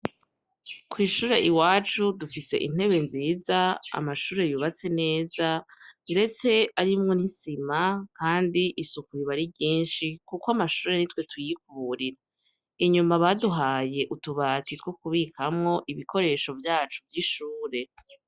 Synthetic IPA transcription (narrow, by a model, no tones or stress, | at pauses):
kwiːʃuːɾe̞ʔiwaːt͡ʃudufise̞̰ʔḭn̥e̞βe̞nziːzaa̰maʃuːɾe̞juβat͡se̞ne̞ːzaɾe̞t͡se̞aɾimŋo̞nisimakaːndiʔisukuɾiβaɾibɟiːnʃikukoamaʃuːɾe̞nitwe̞tujik̚uɾiɾa | iɲumaβaduɦaːje̞ʔutuβatitwokuβikʰamŋo̞ʔiβikʰo̞ɾe̞ːʃo̞vjaːt͡ʃuvjiʃuːɾe̞